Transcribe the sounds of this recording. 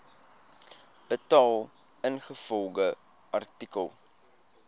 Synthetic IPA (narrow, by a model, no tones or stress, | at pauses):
ətɑːlˠ | ənχəfɔlˠɡə | ʔɐrtikəlˠ